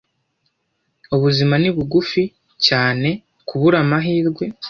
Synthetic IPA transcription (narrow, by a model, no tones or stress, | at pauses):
uβuzimaniβuɡufi | caːne̞ | kʰuβuɾamaɦiːɾɡwe̞